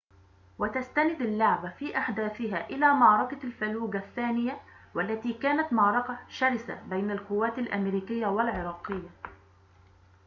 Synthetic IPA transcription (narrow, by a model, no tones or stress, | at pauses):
wat̪ast̪anɪd̪alːʊʕbafiːʔaħd̪aːθɪɦaːʔɪlaːmɑʕɾˤɑkalfaluːɡaθːaːnɪjawalːat̪iːkaːnat̪mɑʕɾˤɑkaʃaɾɪsa̰bajnalkʊwːaːt̪alʔa̰mɾiːkɪjːawalʕɪɾˤɑːqɪjːa